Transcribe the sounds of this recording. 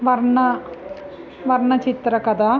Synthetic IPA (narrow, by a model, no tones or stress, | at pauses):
ʋɐɾɳɐ | ʋɐɾɳɐt͡ʃit̪ɾɐkɐd̪a